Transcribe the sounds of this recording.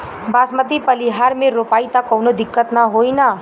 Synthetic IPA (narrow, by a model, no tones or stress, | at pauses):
baːsmət̪̬ipəliɦaːɾmẽɾoːpaːit̪akɔwnod̪ɪkːət̪naɦoːina